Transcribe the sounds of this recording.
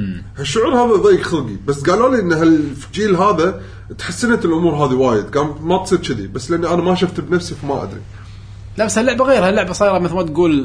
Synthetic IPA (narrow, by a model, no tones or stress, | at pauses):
haʃːʊʕuːɾhaːðaðˤɑːjɪkxalɡibasːɡaːloːliʔɪnːɦalfd͡ʒiːlɦaːða | t̪ħasːɪnat̪ɪlʔʊmuːɾɦaːðiwaːjɪd̪ɡaːmmat̪sˤiːɾʃɪd̪ḭbasːlɪʔanːiʔanamaʃaft̪bnafsifamaʔa̰d̪ɾḭ | labashalːʊʕbaɣeːɾhalːʊʕbasˤiːɾˤɑmɪθlmat̪ɡuːl